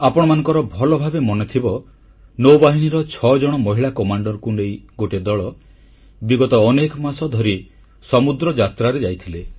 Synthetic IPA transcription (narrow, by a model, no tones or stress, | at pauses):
apɔɽ̃ɔmanɔ̃ŋkɔɾɔbʱɔlɔbʱabemɔnet̪ʰibɔ | nowbaɦiniɾɔt͡ʃʰɔd͡ʒɔɽ̃ɔmɔɦiɭakɔmaɳɖɔɾɔkunejɡoʈed̪ɔɭɔ | biɡɔt̪ɔːnekɔmasɔd̪ʱɔɾi | sɔmud̪ɾɔd͡ʒat̪ɾaɾed͡ʒajt̪ʰile